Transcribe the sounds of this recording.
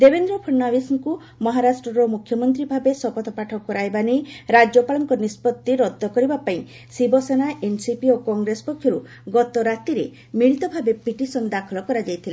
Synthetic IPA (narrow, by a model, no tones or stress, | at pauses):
d̪ebend̪ɾɔpʰɔɳːawisŋku | mɔɦaɾasʈɾɔɾɔmukʰjɔmɔnt̪ɾibʱabesɔpɔt̪ʰɔpaʈʰɔkɔɾaebanejɾad͡ʒɔpalɔŋkɔnispɔt̪ːiɾɔd̪ːɔkɔɾibapaĩ | sibɔsenaʔensipiokɔŋɡɾesɔ̥pɔkʰjɔɾu | ɡɔt̪ɔɾat̪iɾe | miɭit̪ɔbʱabepiʈisɔnd̪akʰɔlɔkɔɾad͡ʒajt̪ʰila